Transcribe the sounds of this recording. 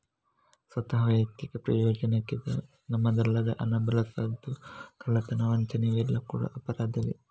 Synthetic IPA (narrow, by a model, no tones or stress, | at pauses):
sʋɐt̪ɐɦɐʋɐjɐt̪ikɐpɾɐjoːd͡ʒɐnɐkːid̪ḛ | nɐmːɐd̪ɐlːɐd̪ɐʔɐnɐbɐlɐsɐd̪ukʰɐlːɐt̪ɐnɐʋɐɲt͡ʃɐniʋilːɐkuːɽɐ̰ʔɐpɐɾaːd̪ɐʋḭ